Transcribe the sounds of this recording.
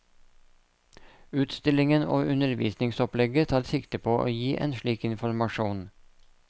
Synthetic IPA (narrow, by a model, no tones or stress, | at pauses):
ʉːt̪st̪ɪlɪŋəno̰ːʔʉnəɾʋḭːsnɪŋsɔplɛɡət̪ʰɑːɾsɪkt̪əpʰoːʔo̰ːjiːʔḛːnʃɭiːkɪnfɔɾmɑʃuːn